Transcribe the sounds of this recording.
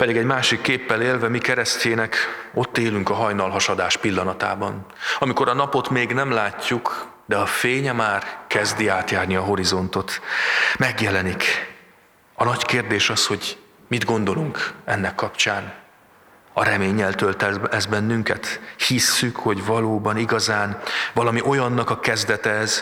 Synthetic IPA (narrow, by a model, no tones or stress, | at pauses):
pɛd̪iɡɛɟmaːʃikːeːpːɛleːlvɛmikɛɾɛsceːnɛko̞t̪ːeːlyŋkɒɦɒjnɒlɦɒʃɒd̪aːʃpilːɒnɒt̪a̰ːbɒn | ɒmiko̞ɾɒnɒpo̞t̪meːɡnɛmlaːcːuk | d̪ɛɒfeːɲɛmaːrkɛzd̪iaːt̪jaːrniɒɦo̞ɾizo̞nt̪o̞t̪mɛɡjɛlɛnik | ɒnɒckeːrd̪eːʃɒsho̞ɟ | mid̪ɡo̞nd̪o̞luŋkɛnːɛkːɒpt͡ʃaːn | ɒɾɛmeːɲːɛlt̪ølt̪ɛɛzbɛnːyŋkɛt̪hisːykho̞ɟvɒloːbɒniɡɒzaːnvɒlɒmiʔo̞jɒnːɒkɒkɛzd̪ɛt̪ɛz